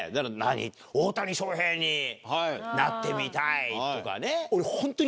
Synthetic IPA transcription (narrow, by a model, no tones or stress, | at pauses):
d̪aɾana̰ɲḭ | oːt̪aɲ̟ʲiɕo̞ːɦẽɲːihnat̪ːe̞mʲit̪ait̪o̞ka̰neoɾehõ̞nt̪o̞ɲ